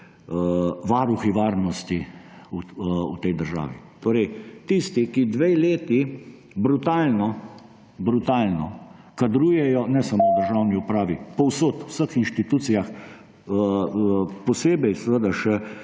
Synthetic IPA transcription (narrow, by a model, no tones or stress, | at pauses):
ʋaːɾuxiʋaːɾnɔst̪iuṵt̪ɛjd̪əɾʒa̰ːʋḭt̪oːɾɛjt̪ist̪ikid̪ʋeleːt̪i | bɾut̪aːlnɔ | bɾut̪aːlnɔ | kad̪ɾuːjɛjɔnɛsamoːd̪əɾʒawniupɾaːʋipɔwsoːt̪wsəxinʃt̪it̪uːt̪sijax | pɔseːbɛjsəʋəd̪aʃɛ